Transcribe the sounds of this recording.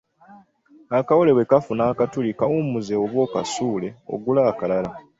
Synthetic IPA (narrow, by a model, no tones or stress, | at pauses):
akawole̞we̞kafunaːkatulikawumuzeoβwo̞ːka̰suːle̞o̞̰ɡulaːkalala